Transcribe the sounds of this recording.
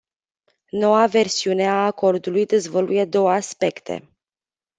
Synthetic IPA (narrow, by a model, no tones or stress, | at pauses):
no̞wave̞rsiune̞aːko̞rd̪ulujd̪ezvolujed̪o̞wəaspe̞kt̪ʰe̞̰